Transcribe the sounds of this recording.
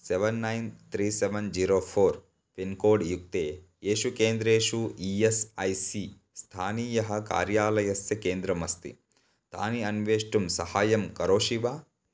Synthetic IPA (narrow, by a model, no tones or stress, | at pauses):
seʋɐnːɐjnt̪ʰɾiːseʋɐnd͡ʒiːɾoːpʰoːɾ | pinkoːɖjuk̚t̪eː | eːʃukeːnd̪ɾeːʂuiːesɐjsi | st̪ʰaːniːjɐɦɐka̰ːɾjaːlɐjɐsjɐkeːnd̪ɾɐmɐst̪ḭ | t̪a̰ːniɐnʋeːʂʈumsɐhaːjɐmkɐɾoːʂiʋaː